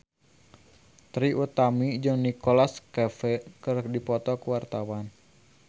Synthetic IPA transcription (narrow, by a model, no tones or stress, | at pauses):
t̪ɾiʔut̪amid͡ʒɨŋnikolaskɛfɛkɨrdipɔt̪ɔkəwart̪awan